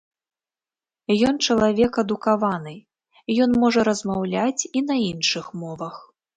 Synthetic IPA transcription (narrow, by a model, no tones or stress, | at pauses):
jɔnt͡ʂɐlˠavʲɛkɐd̪ukavanɨ | jɔnmɔʐɐɾɐzmawlʲat͡sʲinɐinʂɨxmɔvɐx